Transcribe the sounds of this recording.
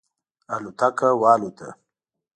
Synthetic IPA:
alut̪akawɑːlut̪ʰa̰

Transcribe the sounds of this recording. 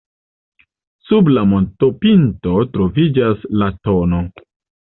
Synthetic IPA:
sublamo̞ntopinto̞tɾo̞vid͡ʒaslato̞no̞

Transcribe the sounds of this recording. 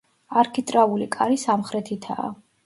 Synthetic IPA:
aɾkʰit̪ʼɾaulikʼaɾisamχɾɛt̪ʰit̪ʰa̰ː

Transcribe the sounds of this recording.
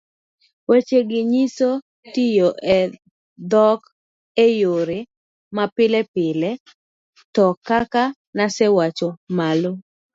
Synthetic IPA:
wet͡ʃeɡɪɲiso | tɪjoʔɛ | d̪ɔk | ejoɾe | mapɪlɛpɪlɛ | tɔkaka | nasɛwat͡ʃomalo

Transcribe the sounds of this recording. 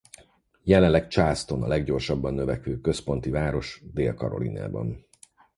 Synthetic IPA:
jɛlɛnlːɛkt͡ʃaːst̪o̞nɒ̰lɛɡɟo̞rʃɒbːɒnːøvɛkʋøːkø̞spo̞nt̪ivaːɾo̞ʃd̪eːlkɒɾo̰lḭna̰ːbɒ̰n

